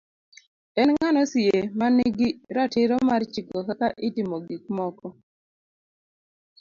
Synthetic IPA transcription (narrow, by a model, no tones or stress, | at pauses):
ɛnŋŋanɔsɪemanɪɡiɾatɪɾɔmart͡ʃikɔkakaʔɪtimoɡik̚mɔkɔ